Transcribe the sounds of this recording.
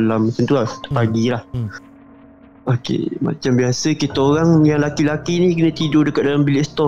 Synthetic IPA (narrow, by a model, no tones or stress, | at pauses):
lamat͡ʃant̪ulat̪paɡilah | okḛma̰t͡ʃambiasəkit̪oɾaŋjaŋlakilakinikinə̃t̪idodəkaʔ̪̚dalambilɪʔst̪ɔ